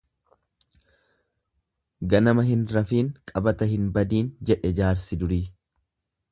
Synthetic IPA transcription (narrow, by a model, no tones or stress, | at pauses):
ɡɐnɐmɐɦɪnɾɐfiːŋkʼɐbɐt̪ɐhɪnbɐd̪iːnd͡ʒɛᶑɛd͡ʒaːɾsɪd̪ʊɾiː